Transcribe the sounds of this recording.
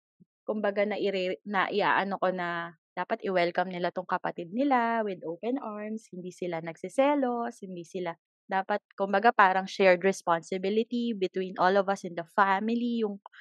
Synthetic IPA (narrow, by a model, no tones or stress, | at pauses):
kʊmbɐɡanɐʔɪɾɛnɐʔɪʔa̰ːʔɐnoko̞nɐd̪̥aːpɐt̪ʔɪwɛlkɐmnɪlat̪ʊŋkɐpɐt̪ɪd̪̚nɪlawɪd̪ʔowpɛnʔaɹmshɪnd̪iːsɪlanɐɡ̥̚sɪsɛːloshɪnd̪isɪla | d̪aːpɐt̪̚kʊmbɐɡapaːɾɐŋʃɛɹd̪ɹɛspansɪbɪlɪt̪ibɪt̪winʔolɔvɐsɛnd̪ɐfamɪlijʊŋ